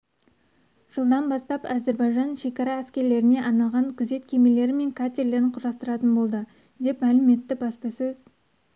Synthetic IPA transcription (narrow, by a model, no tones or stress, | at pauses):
ʒ̥əlˠd̪ɑnbɑst̪ɑpæze̞ɾbɑjʒɑnʃe̞kʲɑɾɑæskʲe̞ɾle̞ɾɪne̞ʔɑnɑʁɑŋkʲʰʏze̞t̪kʲʰe̞me̞le̞ɾɪme̞ŋkʰat̪ʲeɾle̞ɾɪɴqʰʊɾɑst̪əɾɑt̪ənbo̞lˠd̪ə | d̪e̞pmælɪme̞t̪ːɪbɑspəsɵz̥